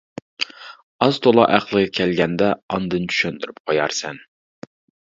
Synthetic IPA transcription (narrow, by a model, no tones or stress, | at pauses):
ɑzt̪ʰolˠɑʔæqlˠɨʁɛkʲʰɛlɡʲɛnd̪ɛɑnd̪ɨnt͡ʃʰy̥ʃɛnd̪yɾyp̚qʰojɑɾsɛn